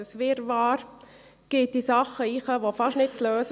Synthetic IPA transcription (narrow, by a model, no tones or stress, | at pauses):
sʋɪɾʋɑːɾ | ɡ̥ɪt̚d̥isɑχəiːχəʋofɑʃnɪt̚t͡sløːs